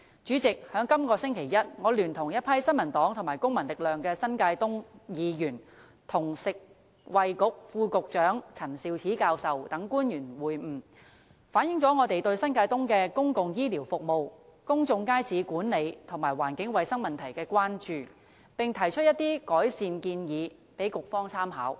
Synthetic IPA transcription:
t͡ʃyː˨˥t͡sɪ˨k̚hœː˨˥ŋkɐ˥mkɔː˧sɪ˥ŋkʰe˨˩jɐ˥t̚ŋɔː˨˧lyː˨˩nt̪ʰʊ˨˩ŋjɐ˥t̚pʰɐ˥jsɐ˥nmɐ˨˩nt̪ɔː˨˥ŋt̪ʰʊ˨˩maː˨˩jkʊ˥ŋmɐ˨˩nlɪ˨k̚lœː˨ŋkɛː˧sɐ˥nkaː˧jt̪ʊ˥ŋjiː˨˧jyː˨˩n | t̪ʰʊ˨˩ŋsɪ˨k̚ | wɐ˨jkʊ˨k̚fuː˧kʊ˨k̚t͡ʃœː˨˥ŋt͡sʰɐ˨˩nsiː˨˧wt͡sʰiː˨˥kaː˧wsɐ˨wt̪ɐ˨˥ŋkuː˥njyː˨˩nwuː˨˩jm̩˨˩ | faː˨˥njɪ˨˥ŋt͡sɔː˨˥ŋɔː˨˧t̪e˨jt̪ɵ˧ɥsɐ˥nkaː˧jt̪ʊ˥ŋkɛː˧kʊ˥ŋkʊ˨ŋjiː˥liː˨˩wfʊ˨k̚mo˨wkʊ˥ŋt͡sʊ˧ŋkaː˥jsʰiː˨˧kuː˨˥nle˨˧jt̪ʰʊ˨˩ŋmaː˨˩jwaː˨˩nkɪ˨˥ŋwɐ˨jsɐ˥ŋmɐ˨nt̪ʰɐ˨˩jkɛː˧kʷaː˥nt͡ʃyː˨ | pɪ˨ŋt̪ʰɐ˨˩jt͡ʃʰɵ˥t̚jɐ˥t̪ːiː˥kɔː˨˥jsiː˨˧nkiː˧njiː˨˧ | pe˨˥jkʊ˨k̚fɔː˥ŋt͡sʰaː˥mɦa̰ː˨˥w

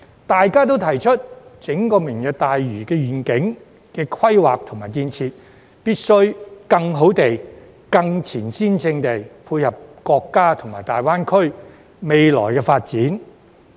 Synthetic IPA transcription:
t̪aː˨jkaː˥t̪̬o˥wt̪ʰɐ˨˩jt͡ʃʰɵ˥t̚t͡sɪ˨˥ŋkɔː˧mɪ˨˩ŋjœ˨k̚t̪aː˨jɥyː˨˩kɛː˧ɥyː˨˩nkɪ˨˥ŋ | kɛː˧kʰɐ˥jwaː˨k̚t̪ʰʊ˨˩ŋmaː˨˩jkiː˧nt͡sʰiː˧t̚ | piː˥t̚sɵ˥ɥkɐ˧ŋɦo˨˥wt̪e˨j | kɐ˧ŋt͡sʰiː˨˩nsiː˥nsɪ˧ŋt̪e˨jpʰuː˧jhɐ˨p̚kɔː˧kːaː˥t̪ʰʊ˨˩ŋmaː˨jt̪aː˨jwaː˥nkʰɵ˥ɥ | me˨jlɔ̰ː˨˩jkɛː˧faː˧t̚t͡siː˨˥n

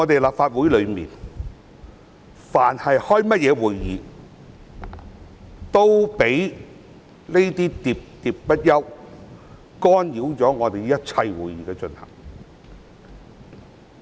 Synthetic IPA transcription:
ŋɔː˨˧t̪e˨jlaː˨p̚faː˧t̚wu˨˥jlɵ˨˧ɥmḭː˨˩n | faː˨˩nhɐ˨jhɔː˥jmɐ˥t̚jɛː˨˧wuː˨jjiː˨˧ | t̪o˥wpe˨˥j | le˥jt̪iː˥t̪iː˨˧p̚t̪iː˨˧p̚pɐ˥t̚jɐ˥w | kɔː˥njiː˨˥wt͡sɔː˨˥ŋɔː˨˧t̪e˨jjɐ˥t̚t͡sʰɐ˧jwuː˨jiː˨˧kɛː˧t͡ʃɵ˧nhɐ̰˨˩ŋ

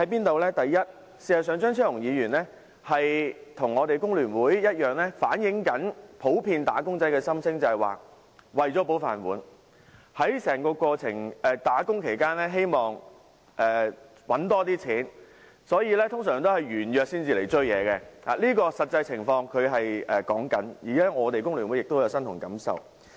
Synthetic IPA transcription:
hɐ˨˥jpiː˥nt̪o˨˧wlɛː˥t̪ɐ˨jjɐ˥t̚ | siː˨˩hɐ˨s̬œː˨˧ŋt͡ʃœː˥ŋt͡sʰœː˥lʊ˨˩ŋjiː˨˧ɥyː˨˩nlɛː˥ | hɐ˨jt̪ʰʊ˨˩ŋɔː˨˧t̪e˨jkʊ˥ŋlyː˨˩nwuː˨˥jjɐ˥t̚jœː˨ŋlɛː˥faː˨˥njɪ˨˥ŋkɐ˨˥npʰo˨˥wpʰiː˧nt̪aː˨˥kʊ˥ŋt͡sɐ˥jkɛː˧sɐ˥msɪ˥ŋt͡sɐ˨ɐ˨˩wa̰ː˨ | wɐ˨jt͡sɔː˨˥p̬o˨˥wfa̰ː˨nwṵː˨˥n | hɐ˨˥jsɛː˨˩ŋkɔː˧kʷɔː˧t͡sʰɪ˨˩ŋɛː˨˧t̪aː˨˥kʊ˥ŋkʰe˨˩jkaː˥nlɛː˥ɦe˥jmɔː˨ŋ | ʔɛː˨ | wɐ˨˥nt̪ɔː˥t̪iː˥t͡sʰiː˨˥n | sɔː˨˥jiː˨˧lɛː˥t̪ʰʊ˥ŋsœː˨˩ŋt̪o˥hɐ˨jɥyː˨˩njœː˨k̚siː˥nt͡siː˨le˨˩jt͡ʃɵ˥jɛ̰ː˨˧kɛː˧ha̰ː˨liː˥kɔː˧sɐ˨t̚t͡sːɐ˧jt͡sʰɪ˨˩ŋfɔː˧ŋkʰɵ˨˧ɥɦɐ˨jɛː˨kɔː˨˥ŋkɐ˨˥njiː˨˩kaː˥ŋɔː˨˧t̪e˨jkʊ˥ŋlyː˨˩nwjɪ˨k̚t̪o˥wjɐ˨˧wsɐ˥nt̪ʰʊ˨˩ŋkɐ˨˥msɐ̰˨w

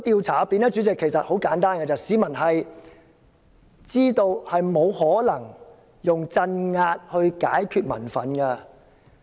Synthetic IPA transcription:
t̪iː˧wt͡sʰaː˨˩˦piː˧nɛ˥t͡ʃyː˨˥t͡sɪ˨kʰːe˨˩jsɐ˨t̚ho˨˥wkaː˨˥nt̪aː˥nkɐ˧t͡sɐ˨˧siː˨˧mɐ˨˩nɦɐ˨j | t͡siː˥t̪o˧whɐ˨jmo˨˧whɔː˨˥lɐ˨˩ŋ | jʊ˨ŋt͡sɐ˧nŋaː˧t̚hɵ˧ɥka̰ː˨˥jkʰyː˧t̚mɐ̰˨˩nfɐ̰˨nkɐ˧

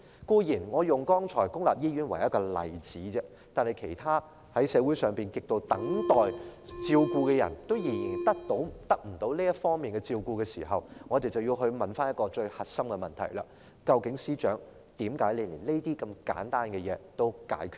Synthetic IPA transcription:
kuː˧jiː˨˩nŋɔː˨˧jʊ˨ŋkɔː˥ŋt͡ʃʰɔː˨˩jkʊ˥ŋlaː˨p̚jiː˥jyː˨˥nwɐ˨˩jɐ˥t̚kɔː˧lɐ̰˨˩jt͡siː˨˥t͡sɛ˥ | t̪aː˨nhɐ˨jkʰe˨˩jt̪ʰaː˥ | hɐ˨˥jsɛː˨˧wuː˨˥jsœː˨˩ŋpiː˨nkɪ˨k̚t̪o˧wt̪ɐ˨˥ŋt̪ɔː˨jt͡siː˧wkuː˧kɛ˧jɐ̰˨˩nt̪o˥wjiː˨˩jiː˨˩nt̪ɐ˥k̚t̪o˨˥wt̪ɐ˥k̚m̩˨˩t̪o˨˥wliː˥jɐ˥tfɔː˥ŋmiː˨nkɛ˧t͡siː˧wkuː˧kɛ˧sḭː˨˩ɦɐ˨wŋɔː˨˧t̪e˨jt͡sɐ˨wji˧wɦɵ˧ɥmɐ˨nfaː˥njɐ˥t̚kɔː˧t͡ʃɵ˧ɥhɐ˨t̚sɐ˥mkɛ˧mɐ˨nt̪ʰɐ̰˨˩jla̰ː˧ | kɐ˧wkɪ˨˥ŋsiː˥t͡ʃœː˨˥ŋ | t̪iː˨˥mkaː˨˥jle˨˧jli˨˩le˥jt̪iː˥kɐ˧mka̰ː˨˥nt̪aː˥nkɛ˧jɛː˨˧t̪o˥wka̰ː˨˥jkʰyː˨˥

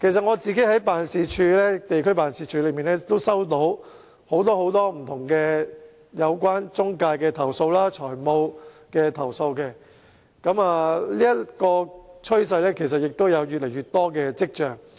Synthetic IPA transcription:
kʰe˨˩js̬ɐ˨t̚ŋɔː˨˧t͡siː˨ke˨˥jhɐ˨˥jpaː˨nsiː˨t͡ʃʰyː˨˧lɛː˥t̪e˨jkʰɵ˥paː˨˩nsiː˨t͡ʃʰyː˧lɵ˨˧˥jmiː˨nɛː˥˨t̪o˥wsɐ˥wt̪o˨˥w | ho˨˥wt̪̬ɔː˥ho˨˥wt̪ɔː˥m̩˨˩t̪ʰʊ˨˩ŋkɛː˧ | jɐ˨˧wkʷaː˥nt͡sʊ˥ŋkaː˧jkɛː˧t̪ʰɐ˨˩wso˧wlaː˥t͡ʃʰɔː˨˩jmo˧w | kɛː˧t̪ʰɐ˨˩wso˧wkɛː˧ | kɐ˨˥maː˨˧liː˥jɐ˥tkɔː˧t͡ʃʰɵ˥ɥs̬ɐ˧jlɛː˥kʰe˨˩s̬ɐ˨t̚jɪ˨k̚t̪o˥wjɐ˨˧wjy˨t̚le˨˩jɥyː˨˩t̚t̪ɔː˥kɛː˧t͡sɪ˥k̚t͡ʃœː˨˩ŋ

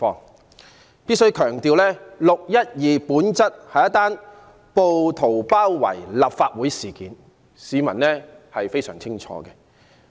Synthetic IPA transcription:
ɔː˧ŋ | piː˥t̚sɵ˥ɥjkʰœː˨˩ŋt̪iː˨wlɛː˥lʊ˨k̚jɐ˥t̚jiː˨puː˨˥nt͡sɐ˥t̚hɐ˨jɐ˥t̪aː˥n | po˨wt̪ʰo˨˩wpaː˥wwɐ̰˨˩jla˨p̚faː˧t̚wuː˨˥jsiː˨˩kiː˨n | siː˨˧mɐ˨˩nlɛː˥hɐ˨jfe˥jsœː˨˩ŋt͡sʰɪ˥ŋt͡ʃʰɔ̰ː˨˧ɡɛ˧

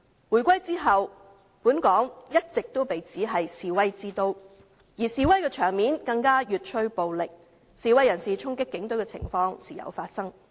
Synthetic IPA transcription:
wuː˨˩jkʷɐ˥jt͡siː˥ɦɐ˨w | puː˨˥nkɔː˨˥ŋjɐ˥t̚t͡sɪ˨k̚t̪o˥wpe˨jt͡siː˨˥ɦɐ˨jsiː˨˧wɐ˥jt͡siː˥t̪o˥w | jiː˨˩siː˨˧wɐ˥jkɛː˧t͡ʃʰœː˨˩ŋmiː˨˥nkɐ˧ŋkaː˥jyː˨t̚t͡ʃʰɵ˥ɥpo˨wlɪ˨k̚ | siː˨˧wɐ˥jɐ˨˩nsiː˨˩t͡sʰʊ˥ŋkɪ˥kːɪ˨˥ŋt̪ɵ˨˥ɥkɛ˧t͡sʰɪ̰˨˩ŋfɔː˧ŋsiː˨˩jɐ̰˨˧wfaː˧t̚sɐ˥ŋ

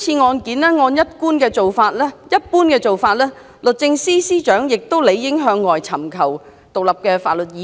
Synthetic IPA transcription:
t͡sʰiː˧ŋɔː˧nkiː˨˥nlɛː˥ŋɔː˧njɐ˥t̚kuː˥nkɛː˧t͡so˨wfaː˧t̚lɛ˥jɐ˥t̚puː˥nkɛː˧t͡so˨wfaː˧t̚lɛː˥ | lɵ˨t̚t͡sɪ˧ŋsiː˥siː˥t͡ʃœː˨˥ŋjɪ˨k̚t̪o˥wle˨˧jːɪ˨˥ŋɦœː˨˧ŋːɔː˨jt͡sʰɐ˨˩mkʰɐ˨˩w | t̪ʊ˨k̚lɐ˨p̚kɛː˧faː˨t̚lɵ˨t̚jiː˨˧

